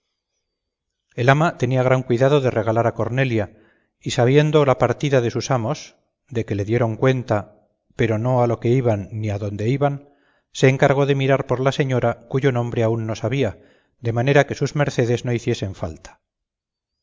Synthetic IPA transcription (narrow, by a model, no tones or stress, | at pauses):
e̞lamat̪e̞niaɣ̞ɾaŋkwiðað̞o̞ðe̞re̞ɣ̞alaɾako̞ɾne̞lja | isaβ̞je̞nd̪olapaɾt̪iðaðe̞susamo̞s | d̪e̞ke̞le̞ðje̞ɾo̞ŋkwe̞nt̪a | pe̞ɾo̞no̞alo̞ke̞iβanːiaðo̞nd̪e̞iβan | se̞ːŋkaɾɣo̞ðe̞miɾaɾpo̞ɾlase̞ɲo̞ɾakuʝo̞nõ̞mbɾe̞aunːo̞saβia | d̪e̞mane̞ɾake̞suzme̞ɾθe̞ð̞e̞zno̞iθje̞se̞ɱfa̰lt̪ḁ